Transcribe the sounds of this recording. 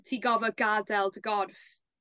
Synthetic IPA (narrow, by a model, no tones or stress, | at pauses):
tʰiːɡɔvɔɡadɛlˠdəɡɔrθf